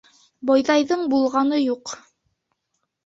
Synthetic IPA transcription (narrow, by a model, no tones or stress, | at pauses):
bɑjðɑjðɤɴbulˠʁɑnɤjuq